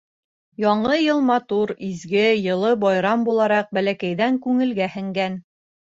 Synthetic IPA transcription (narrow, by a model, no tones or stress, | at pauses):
jɒɴɤjɤlˠmɑt̪uɾizɡɘjɤ̆lˠɤbɑjɾɑmbulˠɑɾɑq̚bælækæjðæŋkʉŋɘ̆lɡæhɘ̆ŋɡæn